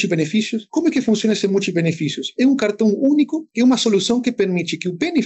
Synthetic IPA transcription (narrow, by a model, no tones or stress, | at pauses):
t͡ʃibenefisjʊskomʊɛkɪfũnsjonasẽmut͡ʃibenefisjʊsɛũŋkaɾt̪õŋunikʊkɛumɐsolusõŋkɪpeɾmit͡ʃɪkɪubene